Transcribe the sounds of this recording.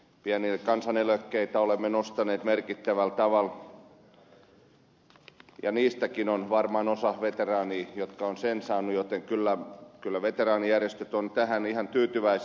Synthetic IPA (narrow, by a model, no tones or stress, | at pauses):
piænilkɑnsɑneløkːeit̪æolemːenost̪ɑneːt̪merkit̪ːæʋælt̪ɑʋɑl | jɑ̰niːst̪ækinonʋɑrmɑnosɑhʋet̪erɑːniːjot̪kɑonsensɑːnːujot̪eŋkylːækylːæʋet̪erɑːnijærjest̪øt̪ont̪æhænihɑnt̪yːt̪yʋæi